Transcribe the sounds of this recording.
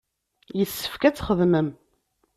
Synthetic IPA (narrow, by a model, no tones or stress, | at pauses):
jəsːə̥fkæt͡sːχəðməm